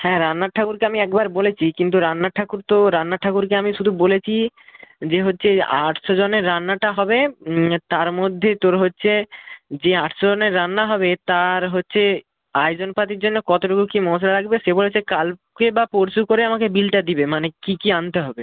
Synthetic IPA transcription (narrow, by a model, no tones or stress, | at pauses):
hɛ̃ɾanːaʈʰːakuɾkeamiɛkbaɾbolet͡ɕʰikint̪̬uɾanːaʈʰakuɾt̪oɾanːaʈʰakuɾkeamiʃud̪ʱubolet͡ɕʰid͡ʑeɦotːɕʰea̰ʈʰʃod͡ʑoneɾːanːaʈaɦɔbet̪aɾmod̪ʱːet̪oɾɦotːɕʰed͡ʑeaʈʰʃod͡ʑoneɾːanːaɦɔbet̪aɾɦotːɕʰe | ajd͡ʑonpat̪iɾd͡ʑonːokɔt̪oʈokukimɔs̬ɾaɾakbeʃebolet͡ɕʰekal | kebapoɾsukoɾeamakebilʈad̪ibemanekikiant̪eɦɔbe